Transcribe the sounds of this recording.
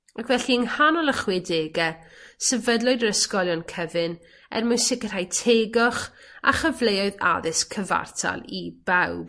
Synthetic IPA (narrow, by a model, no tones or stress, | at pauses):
akʰvɛɬiəŋhanɔlˠəχwɪdeːɡɛsɛvədlˠʊɨdəɾəskɔlˠjɔnkʰəvɨn | ɛ̰rmʊsɪkər̥ajtʰeːɡɔχ | a̰χəvlejɔɨða̰ðɪskʰəva̰rtʰa̰lˠibawb̥